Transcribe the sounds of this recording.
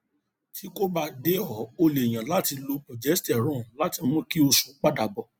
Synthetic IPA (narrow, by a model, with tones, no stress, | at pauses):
tʰi˦ko˦ba˧de˦ɔ˨˦o˧le˨j̃ã˨la˦ti˧lo˧pɔ˨d͡ʒɛ˨˦stɛ˨ɾũ˦˨la˨˦ti˧mũ˦ki˦o˧su˨k͡pa˦da˨bɔ˨